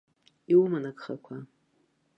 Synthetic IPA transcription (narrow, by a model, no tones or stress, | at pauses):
iwumanakʼχakʷʰa